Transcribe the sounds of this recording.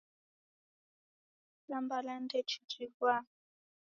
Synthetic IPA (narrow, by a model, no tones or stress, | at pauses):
lambalandɛt͡ʃʰid͡ʒiβwa